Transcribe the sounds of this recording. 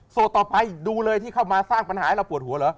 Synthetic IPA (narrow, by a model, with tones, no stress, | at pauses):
so˨˩t̪ːɔː˨˩pa˧jduː˧lɤː˧jt̪ʰiː˥˩kʰa˥˩wmaː˧saː˥˩ŋpa˧nhaː˩˦˥wpu˨˩ət̪̚hu˨˩˦ɐlɤː˨˦˥